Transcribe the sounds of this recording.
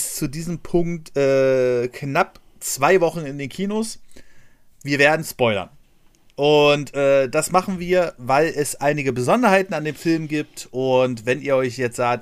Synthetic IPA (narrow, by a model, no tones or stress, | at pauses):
st͡sudiːzəmpʰʊŋktʔɛːknap | t͡sv̥aɪvɔχn̩ɪndeːnkʰiːnos | viːɐveːɐdn̩spɔʏlɐ̰n | ʔʊntʔɛːd̥asmaχn̩viːɐvaɪlɛsʔaɪnɪɡəbəzɔndɐhaɪtn̩andeːmfɪlmɡiːp̚tʔʊntvɛniːɐʔɔʏçjɛt͡stz̥aːk̚t